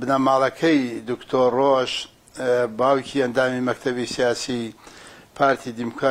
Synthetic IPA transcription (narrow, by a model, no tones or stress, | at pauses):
bnamaːlˠɐkʰɐjd̪ukt̪ʰoːɾroʒ | baːwcʰiɐnd̪aːmimɐkt̪ʰɐβisijaːsi | pʰaːɾt̪ʰid̪imukʰɾaː